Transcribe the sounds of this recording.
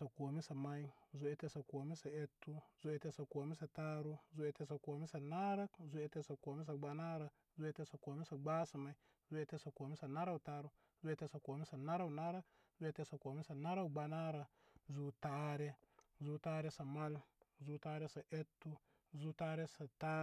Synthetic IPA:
sa˨ko˨mi˦sa˨ma˦i˦zu˦e˦te˦sa˨ko˨mi˦sa˨e˦tːu˦zu˦e˨˦te˦sa˨ko˨mi˦sa˨ta˦ɾu˦zu˦e˦te˦sa˨ko˨mi˦sa˨na˦ɾa˦kzu˦e˦te˦sa˨ko˨mi˦s̬a˨ɡ͡ba˨na˦ɾa˨ | zu˦e˦te˦sa˨ko˨mi˦sa˨ɡ͡ba˦su˨ma˨i˦ | zu˦e˦te˦sa˨ko˨mi˦sa˨na˦ɾa˦u˨ta˦ɾu˦ | zu˦e˦te˦sa˨ko˨mi˦sa˨na˦ɾa˦u˨na˦ɾa˦k | zu˦e˦te˦sa˨ko˨mi˦sa˨na˦ɾa˦u˨ɡ͡ba˨na˦ɾa˨ | zu˦ta˦ɾe˦zu˦ta˦ɾe˦sa˨ma˦lzu˦ta˦ɾe˦sa˨ʔe˦tːu˦ | zu˦ta˦ɾe˦sa˨ta˦

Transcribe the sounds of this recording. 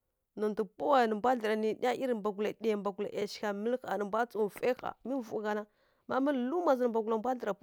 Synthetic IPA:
nu˨ntu˨pu˦wa˨nə˨mbʷa˦ɬə˨ɾa˨ni˨ɗi˦a˦ʔi˦ɾmba˨ɡu˨la˨ɗi˦˨ja˨mba˨ɡu˨la̰˨ʔe˨ʃi̥˨ka˨mə˦lxa̰˨nə˨mbʷa˦t͡su˦˨fe˦xa̰˨mi˦vu˨ɡa˨na˦ | ma˦mə˦llu˦ma˨zə˨n˨mba˨ɡu˨la˨mbʷa˦ɬə˨ɾa˨˦

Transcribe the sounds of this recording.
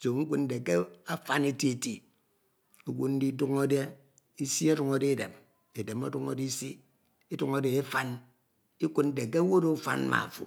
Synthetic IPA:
so˨ŋ̩˦kʷu˦n̩˦de˨ke˦a˦fa˦ne˦ti˦e˨ti˨ | o˨ɡʷu˦n̩˦di˦du˦ŋo˦de˦ | i˦si˦o˦du˨ŋo˦de˦˨de˨m | e˨de˨mo˦du˦ŋo̰˦di˦si˦ | e˦du˨ŋo˦de˨e˦fa˦n | i˦kʷu˦n̩˦de˨k̬e˦wo˦ɾo˦fa̰˨n˦ma̰˨fṵ˨

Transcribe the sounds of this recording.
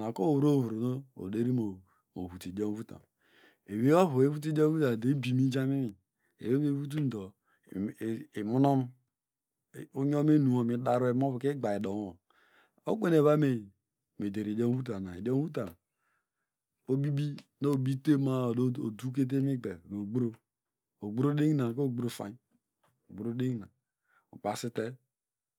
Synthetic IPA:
na˨ko˦˨wu˨ɾo˦˨vu˨ɾo˨no˦o̰˨de˦ɾi˦mo˨ | o̰˨βu˨ti˨do˦m˦vu˦ta̰˨m | e˨we˦a˦βu˨e˦vu˦t̬i˦do˦u˦ta˨de˨˦bi˨mi˦d͡ʒa˦mi˦mi˨ | ḛ˨we˦βe˦vu˦t̬u˦n̩˨do˨ | i˨mu˦nɔ˦m˨ | u˦ɲo˦m˦e˦nu˨o˨mi˨˦da˦ɾo˦e˨m˦o˦βke˦ɡ͡ba˨i˨do˨ŋo˨ | o̰˦k͡pe˦ne˨βa˦me˨ | me˨de˨ɾi˨do˦m˦u˦t̬a˨na˨e˨do˦m˦u˦ta˨ | o˦bi˦bi˦no˦o˨bi˦te˦ma˦˨do˦o˨du˦k̬e˦t̬e˦mi˦ɡ͡be˨ɡo˨ɡ͡bɾo˦ | o˨ɡ͡bu˦ɾo˦de˦ŋ˦na˨ko˦o˨ɡ͡bɾo˦˨fa̰˨˦ | o˨ɡ͡bu˨ɾo˦de˦ŋ˨na˨ | ṵ˨k͡pa˨si˦te˦

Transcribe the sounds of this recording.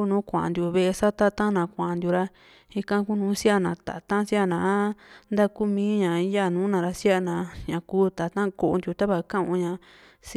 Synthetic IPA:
u˦˧nũː˨˦kʷã̰˨nd̪ju˧βe˧e˧sa˦t̪a˦t̪ã˦nã˧˨kʷã˨nd̪ju˧ɾa˧ | i˧kã˦˧ku˦nũː˨˦si˦a˦nã˨t̪a̰˨t̪ã˦si˦a˦˨nãː˨˦nd̪a˦ku˦mĩː˦ɲã˨i˦ja˦˨nũː˨˦nã˨˧ɾa˧sja˦˧˨nã˧˨ɲã˧kuː˦t̪a˨t̪ã˦ko˧ʔo˧nd̪ju˧t̪a˦βa˧˨kã˦ũ˧ɲã˧ | s

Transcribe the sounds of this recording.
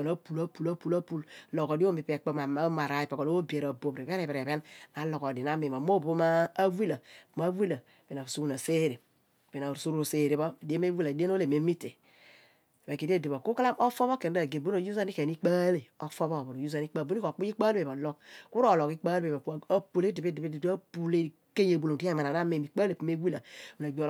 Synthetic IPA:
na˦pu˨la˦pu˨la˦pu˨la˦pu˦llo˨ko˨di˦o˦mi˨pe˨k͡po˦ma˨˦ma˨ɾa˨i˨pe˨ko˨lo˦o˦bi˨e˨ɾa˨bo˨bɾe˨βe˦ɾe˨be˨ɾe˨βe˦nna˨˦lo˨ko˨di˨na˦mi˨a˨mo˦o˦maː˦wi˦la˨ma˦wi˦la˨be˨na˨su˦u˦na˨se˦ɾi˨ | be˨na˨su˦ɾse˨ɾi˨βo˦˨di˦e˦m˦e˦wi˦la˨de˦no˦le˨me˨˦mi˦te˨ | be˨ki˨de˦˨di˨βo˨ku˦kla˦o˦fo˦βo˦ke˨n˦a˨ɡe˨bo˦no˨ju˦za˦ni˦ke˨ni˦k͡pa˦le˨o˦fo˦βo˦˨bo˨ɾo˨ju˦za˦ni˦k͡pa˦˨bu˦i˦ko˨k͡pu˦ji˦k͡pa˦lbe˨ba˨lo˦kku˦ɾo˦˨lo˨ki˦k͡pa˦be˨ba˨˦˨o˦pu˨le˦di˨be˦di˨be˦di˨da˦pu˨le˦˨ | ke˦ɲ˦e˨bu˨lo˨di˦a˦˨ma˨na˨na˦me˨mi˨k͡pa˦le˨pu˨me˦wi˦la˨wu˨na˨ɡ͡bo˨

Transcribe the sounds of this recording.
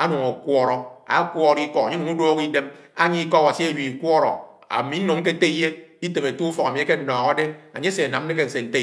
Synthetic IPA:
a˦nu˨ŋo˨kʷɔ˦ɾɔ˨a̰˨˦kʷɔ˦ɾi˦kɔ˦a˨ɲe˦nu˨ŋu˦doː˦ki˦de˦ma˦ɲi˦kɔ˦a˨wa˨si˦e˦˨ji˨i˨kʷɔ˦ɾɔ̰˨ | a̰˨mi˨˦no˨ŋ̩˦ke˦te˦i˦je˦i˦te˨me˨tu˦u˦fɔ˨ka˨mi˨e˨˦ke˦n̩˦˨nɔː˨ɣa˨˦de˦a˨ɲe˦se˨a˨na˨m̩˦ne˦ke˦n̩˨se˨n̩˨te˦˨

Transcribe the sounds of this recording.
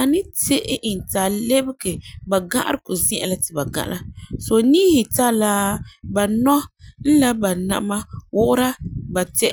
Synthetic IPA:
a˨nɪ˦te˦ʔɪ˦ʔɪ˨n˨ta˨le˦bɪ˦ɡe˨ba˨ɡa˦ʔa̰˦ɾɨ˦kʊ˨zĩ˦ʔa̰˨la˨tɪ˨ba˨ɡa̰˨ʔlʔa˦so˨ni˦hɪ˨ta˦la˦ba˨nɔ˦n̩˦la˦ba˨na̰˨˦ma˦wʊ˦ʔʊ˦ɾa˦ba˨tɛ˦

